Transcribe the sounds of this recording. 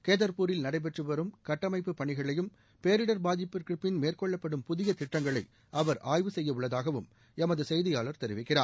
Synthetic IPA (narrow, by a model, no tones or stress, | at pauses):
keːðɐɾpuːɾɪlnɐɽɐɪp̬ɛʈrɯʋɐɾɯmkɐʈːɐmɐɪpːɯpːɐɳɪɣɐɭɐjɯm | peːɾɪɽɐɾbaːðɪpːɯɾkɯpːɪnmeːrkɔɭːɐpːɐɽɯmpʊðɪjɐt̪ɪʈːɐŋɡɐɭɐɪ | ʔɐʋɐɾʔaːjʋɯsɛjːɐɯɭːɐðaːɣɐʋɯm | ɛmɐðɯsɛjðɪjaːɭɐɾt̪ɛɾɪʋɪkːɪraːn